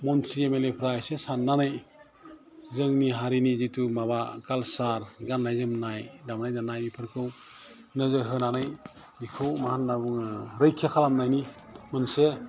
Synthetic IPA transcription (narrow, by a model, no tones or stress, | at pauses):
mɔntʰɾiemelepʰɾajsesanːanɯj | zɯŋniɦaɾinizitʰumabaɡalsaɾɡanlajzɯmnajdamnajnanajmipʰɯɾkʰɯw | nɯzɯɾɦɯnanɯj | bikʰɯwmahanːabuŋɾɯjkʰakʰalamnajnimɯnse